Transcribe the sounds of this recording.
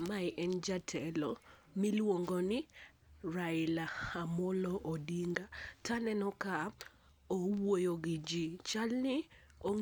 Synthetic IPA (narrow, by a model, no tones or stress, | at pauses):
maɪʔɛnd͡ʒatʰɛlɔ | milwoŋɡɔnɪ | ɾaɪlahamɔlɔʔodiŋɡatanɛnɔka | owojoɡɪd͡ʒit͡ʃalnɪ | o